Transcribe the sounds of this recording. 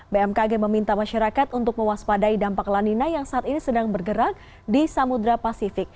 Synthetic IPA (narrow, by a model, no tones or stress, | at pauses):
beɛmkaɡɛməmint̪amaʃaɾakat̪unt̪ʊk̚məwaspadaidampaklaninajaŋsaat̪inisədaŋbərɡəɾak̚ | disamud̪ɾapasifɪk̚